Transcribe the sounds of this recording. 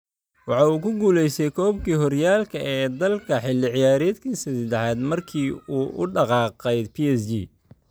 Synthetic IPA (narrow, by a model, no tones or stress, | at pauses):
wɑħɑːuːkʰʊɡuːlɛjsɛjkʰɔːbkʰiːɦɔrjaːlkʰɐʔɛːd̪ɐlkʰɐħɪlːɪʕɪjaːɾɛːd̪kʰiːsɐsd̪ɛħaːd̪mɐrkʰiːuːʔʊɖɑqɑːqɛjd̪pʰiɛsd͡ʒi